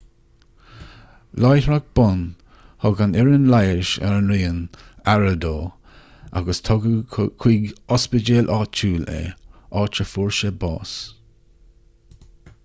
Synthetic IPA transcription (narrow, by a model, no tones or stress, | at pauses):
lajtɹaɡ̚b̥ʊn | hɔɡanɪɹənlajəʃɛ̰ɹənɾiːənaɹəd̪oː | ʔa̰ɡəst̪ʰɔɡəkʰwiːɡɔspəd͡ʒeːlʔɑːt͡ʃʰuːlḛɑːt͡ʃəfuɹʃəbɑ̰ːs